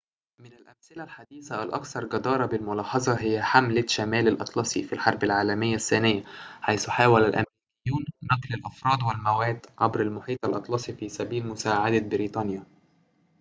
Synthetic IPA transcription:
mɪnalʔæmsɪlalħad̪iːθaʔælʔɑ̰kθɑɾˤɡɑd̪ɑːɾˤɑbɪlmʊlɑːħɑzˤɑɦɪjːæħamlaʃæmæːlalʔɑt̪ˤlɑsˤifilħɑɾˤbalʕaːlæmɪjːasːæːnɪjːaħajθʊħaːwælælʔæ̰mɾiːkɪjːuːnːɑqlalʔɑfɾˤɑːd̪wɪlmæwæːd̪ʕabɾalmʊħiːt̪ˤɑlʔɑt̪ˤlɑsˤifisæbiːlmʊsaːʕad̪abɪɾiːt̪ˤɑːnja

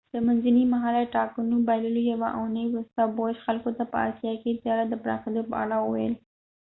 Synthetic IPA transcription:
d̪̥əmanzanimaɦɑlaʈɑkənobaləlojawaʔanəjwɾust̪aboʃxalkot̪apə̰ɑ̰sijɑket̪jɑɾad̪əpɾɑ̰xed̪opə̰a̰ɽawəwa̰jə̰l

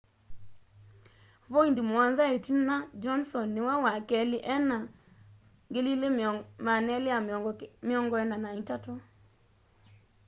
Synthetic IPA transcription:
voindimwanzaetinad͡ʒɔnsɔnːɪwɛwakɛlɪʔɛna | ŋɡelilemanɛlɪamɪɔŋɡɔɛnanaitato

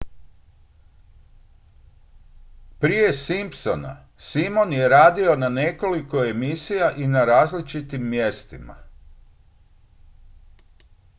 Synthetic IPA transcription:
pɾije̞simpso̞na̰ | simo̞nje̞ɾaːd̪io̞nane̞ko̞liko̞e̞misijaʔinaɾaːzlit͡ʃit̪imːjest̪ima̰

